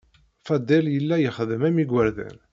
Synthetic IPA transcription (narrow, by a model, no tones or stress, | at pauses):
fæd̪ːæljəlːæjəχəðəmæmiɡwəɾðæ̰n